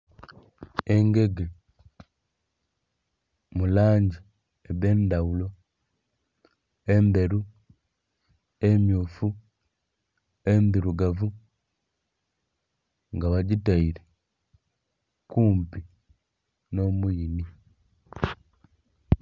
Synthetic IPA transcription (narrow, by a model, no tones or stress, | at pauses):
eŋɡe̞ɡe | mulaːɲɟi | eβeːndaulo̞ | embe̞ɾu | emjoːfu | embiɾuɡavu | ŋɡaβaɟitaiɾe | kuːmpi | nomuini